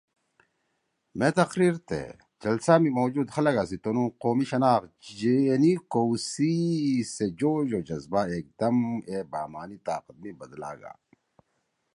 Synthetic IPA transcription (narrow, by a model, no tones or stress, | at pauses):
met̪ɐxɾiːɾt̪ḛ | d͡ʑɐlsaːmimoːd͡ʑuːd̪xɐlɐɡasit̪onũːqoːmiɕɐnaːxd͡ʑenikowsised͡ʑoːʑoːd͡ʑɐzbaeːk̚d̪ɐmebaːmaːnit̪aːqət̪̚mibɐd̪la̰ːɡa̰ː